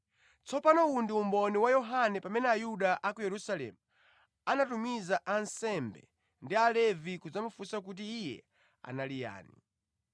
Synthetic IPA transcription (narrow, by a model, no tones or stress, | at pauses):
t͡sɔpanɔundiumbɔniwajɔɦanɛpamɛnɛajuɗaʔakujɛɾusalɛ̰mu | anatumizaʔansɛmbɛ̰ | ndialɛvikud͡zamufusak̬ut̬iːjɛ̰ | a̰nalija̰ːni